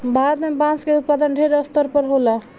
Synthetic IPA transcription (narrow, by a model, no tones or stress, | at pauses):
bʱaɾət̪mebãnskeut̪̚pad̪ənɖʱeɾəst̪əɾpəɾɦola